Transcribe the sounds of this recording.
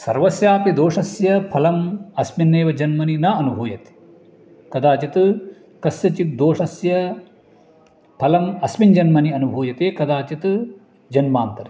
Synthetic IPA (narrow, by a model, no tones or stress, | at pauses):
sɐɾʋɐsjaːpid̪oːʂɐsjɐpʰɐlɐmɐsminːeːʋɐd͡ʒɐnmɐninɐɐnubʱuːjɐt̪e̥ | kɐd̪aːt͡ʃit̪ɨ | kɐsjɐt͡ʃik̚d̪oːʂɐsjɐ | pʰɐlɐmɐsmiɲd͡ʒɐnmɐniɐnubʱuːjɐt̪eːkɐd̪aːt͡ʃit̪ɨ | d͡ʒɐnmaːnt̪ɐɾi